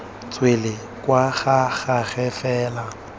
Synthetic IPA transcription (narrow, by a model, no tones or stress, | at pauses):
t͡sʼwelɪ | kʼwaɣaɣaɣɛfɛːla